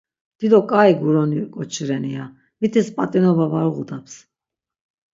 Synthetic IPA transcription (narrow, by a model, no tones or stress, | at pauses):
d̪̥id̪ɔkʼaiɡuɾɔnikʼɔt͡ʃʰiɾɛnia | mit̪ʰɛspʼat̪ʼinɔbavaɾʁud̪apʰs